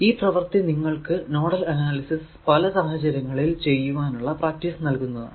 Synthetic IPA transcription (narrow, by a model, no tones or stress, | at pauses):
iːprɐʋɐrt̪iniŋːɐɭkɨno̞ːɽɐlɐnaːlisis | pɐlɐsɐɦɐt͡ɕɐɾjɐŋːɐɭilt͡ɕe̞jːuʋaːnuɭːɐpraːk̚tisnɐlkunːɐðɨ̰